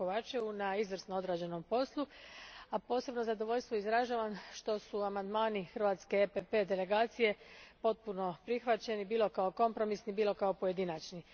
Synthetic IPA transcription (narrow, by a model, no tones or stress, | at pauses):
oʋat͡ʃeunaizʋr̩snoo̞d̪ɾaːd͡ʑe̞no̞mpo̞slˠuapo̞ːse̞bno̞zad̪o̞ʋo̞ʎʲst̪ʋoizɾaʒaːʋanʃt̪o̞suamand̪maːnixr̩ʋaːt̪ske̞epepe̞d̪e̞le̞ɡaːt̪sije̞po̞t̪̚puno̞pɾixʋat͡ɕe̞nibiːlo̞kao̞ko̞mpɾo̞misnibiːlo̞kaopoje̞d̪inat͡ʃni